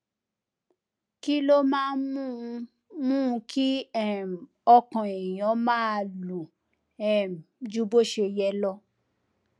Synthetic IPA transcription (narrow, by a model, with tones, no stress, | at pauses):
ki˦lo˦mãː˦mũ˦˧ | mũ˦˧kʰi˦ɛ˦˨m˨ | ɔ˧kã˨e˨j̃ɔ̃˨˦mãː˦˧˦lu˨ | ɛ˦˨md͡ʒu˧˦bo˦ʃe˧jɛ˧˦lɔ˧